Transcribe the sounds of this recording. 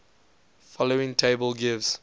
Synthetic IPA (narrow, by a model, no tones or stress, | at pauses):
fɔloɪ̃ŋtʰeɪbəlɡɪvz̥